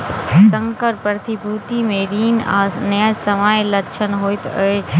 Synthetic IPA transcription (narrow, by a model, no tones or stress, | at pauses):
sə̃ŋkəɾpəɾt̪ʰibʱuːt̪imẽɾiːnanɐjasəʋaːjlɐt͡ʃʰənɦoːit̪əe